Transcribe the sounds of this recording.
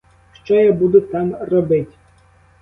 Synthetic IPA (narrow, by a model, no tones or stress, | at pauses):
ʃt͡ʃɔjabud̪ut̪amrɔbɪtʲ